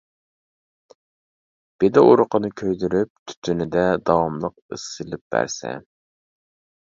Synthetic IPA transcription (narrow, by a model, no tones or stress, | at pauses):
b̥ed̪ɪʔuɾʊqənɨkʲʰøjd̪yɾyp̚t̪ʰy̥t̪ʰynɪd̪ɛd̪ɑwɑmlˠəq̚ɨsɨlɪp̚bæ̰ɾsɛ̰